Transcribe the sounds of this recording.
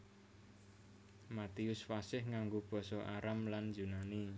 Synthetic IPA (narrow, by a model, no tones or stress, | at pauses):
mat̪iʊsfasɪhŋaŋɡob̥ɔ̤sɔʔaɾamland͡ʒunani